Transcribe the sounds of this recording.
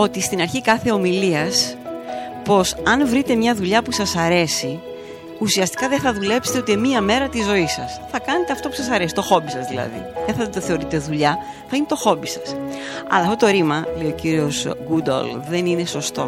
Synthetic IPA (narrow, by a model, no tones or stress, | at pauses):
o̞t̪ist̪inɐɾçikɐθe̞o̞miliɐs | po̞sɐnvɾit̪e̞mɲɐðuʎɐpusɐsɐɾe̞si | usiɐst̪i̥kɐðeθɐðule̞pse̥t̪ot̪iemiɐme̞ɾɐt̪izo̞isɐsθɐkɐne̞t̪eɐft̪o̞pusɐs̬ɐɾe̞si̥t̪o̞xo̞bisɐzðilɐ̰ðḭðeθɐðt̪oθe̞o̞ɾit̪e̞ðuʎɐ | θɐinet̪o̞xo̞bisɐ̥s | ɐ̰lɐft̪ot̪o̞ɾimɐlejo̞ciɾio̞sɡud̪o̰lðe̞nine̞so̞st̪o̞